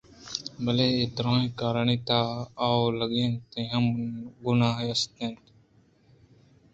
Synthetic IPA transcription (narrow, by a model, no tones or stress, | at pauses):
bəleːeːt̪ɾõːẽːkaːɾəɳiːt̪aːawləɡẽːnt̪ẽːɦəmɡʊnaːɦeːɐst̪ẽːnt̪